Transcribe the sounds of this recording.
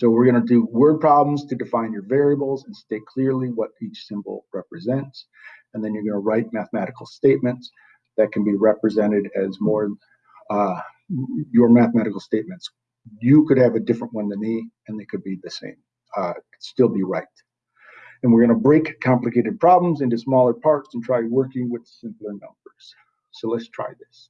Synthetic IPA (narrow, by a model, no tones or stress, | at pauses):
soʊwɪɹɡʌñɨdɨwɜ˞d̚pʰɹ̥ɑblm̩z̥tʰɨdɨfãɪ̃njə˞vɛɹiəbl̩ˠzə̃n̩steɪkʰl̥ɪɹlˠiwʌɾit͡ʃsɪ̃mpl̩ˠɹɛpɹɨzɛ̃nts | ɨ̃nðɨ̃njə˞ɡʌnəɹaɪt̚mæθəmæɾɨkl̩ˠsteɪt̚mɨ̃nts | ðɨt̚kʰɨ̃n̩biɹɛpɹɨzɛ̃ɾ̃ɨɾɨzmɔɹ | jə˞mæθmæɾɨkl̩ˠsteɪt̚mɨ̃nts | jɨkɨɾ̚ɨvɨdɪfɹə̃nʔwʌ̃nðɨ̃nðiɨ̃nðeɪkʰɨd̚biðɨsḛ̃ɪ̃m | stɪlˠbiɹaɪt | ɨ̃nwɨɹɡʌñəbɹeɪkʰɑ̃mplɨkʰeɪɾɨd̚pʰɹ̥ɑblə̃mzɪ̃ntʉsmɔlˠə˞pʰɑɹtsn̩tʰɹ̥aɪwɜ˞kɪ̃ŋwɨð̥sɪ̃mpl̩ˠə˞nʌ̰̃mbə˞z̥ | soʊlətstʰɹ̥a̰ɪðɪs